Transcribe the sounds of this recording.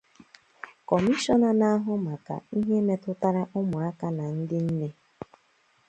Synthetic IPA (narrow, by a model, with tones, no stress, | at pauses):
kɔ˨mi˦ʃɔ˦na˦na˦ɦʊ˦ma˨ka̰˨i˦ɦe˦me˦tʊ˦ta˦ɾa˦ʔʊ˦mʊ˨a˦ka˦na˨n̩˦dɪ˦n̩˦ne˦